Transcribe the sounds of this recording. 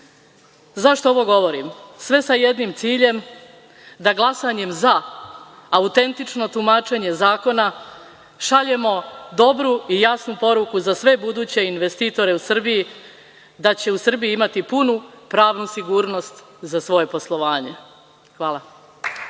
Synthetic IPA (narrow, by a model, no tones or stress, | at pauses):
zaʃt̪ooʋo̞ɡo̞ʋo̞ɾimsʋe̞saje̞d̪nimt̪siːʎe̞m | d̪aɡlˠasaɲe̞mzaː | ut̪e̞nt̪it͡ʃno̞t̪umaːt͡ʃe̞ɲe̞zaːko̞na | ʃaʎemo̞d̪o̞bɾuijasnupo̞ɾukuzasʋe̞bud̪uːt͡ɕe̞inʋe̞st̪iːt̪o̞ɾe̞usr̩biji | d̪at͡ɕe̞usr̩bijiimat̪ipunupɾaːʋnusiɡuːɾno̞st̪ | zasʋo̞je̞po̞slˠo̞ʋaːɲe̞ | xʋaːlˠa